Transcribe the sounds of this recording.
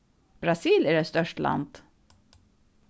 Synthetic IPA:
b̥ɾɑsiːlæɖɛt̪st̪œʂʈlʔa̰nd̪̥

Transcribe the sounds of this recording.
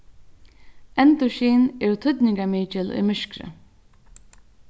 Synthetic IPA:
ɛnt̪ʊʃiːnɛɾt̪ʰʏd̪nɪŋkamiːt͡ʃɪlʊ̰jmɪʃkɾə̰

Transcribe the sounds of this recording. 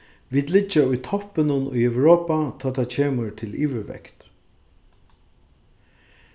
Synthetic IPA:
ʋiːd̪lɪt͡ʃːaʊjt̪ʰɔpːɪnʊnʊ̰jœwɾoːpat̪ʰaːt̪ʰacʰeːmət̪ʰɪlʔiːʋəʋɛ̰kt̪

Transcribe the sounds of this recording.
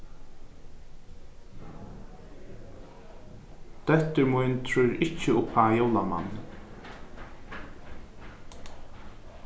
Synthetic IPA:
t̪ɛht̪ʏɹmujnt̪ʰɹʏjɾɪt͡ʃːɪʊpʰaːjowlama̰nː

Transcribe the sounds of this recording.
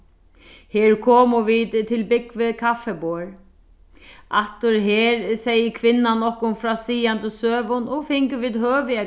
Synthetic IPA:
heːɹkʰɔːmʊʋiːðt̪ʰːɪlbɪkʋɪkʰafɛbɔːɹ | ʔaht̪ʊɾɦeːɾsɛjəkʰʋɪnːanːɔhkʊnfɾaːsiːant̪əsøːʋʊnɔɣfɪŋkəʋiːðɦøːʋɪa

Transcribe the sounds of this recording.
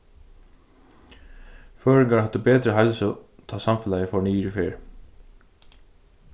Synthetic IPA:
føːɹɪŋkahad̪ːəbɛːt̪ɾəɦɛlsɔt̪ʰaːsamfɪlajəfɔniːɾifeːɹ

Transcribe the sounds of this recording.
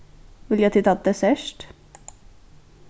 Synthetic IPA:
ʋɪljæt̪ʰɪt̪ʰɑt̪̚d̪esœʃʈ

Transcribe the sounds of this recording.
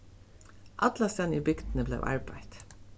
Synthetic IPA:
ʔɑd̪lɑsɛniːbʏɡd̪n̩əblḛːʋʔɑ̰ɹbæɪd̪̥

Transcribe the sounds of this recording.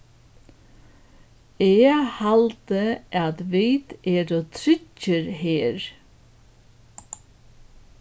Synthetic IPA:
eːhɑlt̪əʔɑːd̪ʋeɪt̪eːɾoːt̪ʰɾʏcəɾheːɾ

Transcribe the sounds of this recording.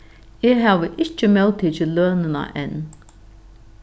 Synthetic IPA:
eːɦæːʋəʔɪt͡ʃəmɛlt̪ʰiːt͡ʃɪløːnəna̰ʔɛn

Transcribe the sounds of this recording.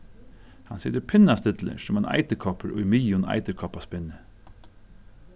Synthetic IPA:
hɑnsɛd̪əpʰɪnast̪ɪt̪lə̰ʂɔmɑnɑ̰ɪt̪əkʰɔpʰəɾʔo̰imiːʊnɑ̰ɪt̪əkʰɔpaspɪnə

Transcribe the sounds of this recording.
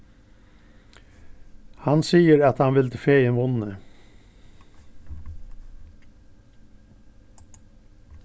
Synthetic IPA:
hɑnsiːəɾɑt̪hɑnʋɪlt̪ʰəfeːeːnʋʊnə

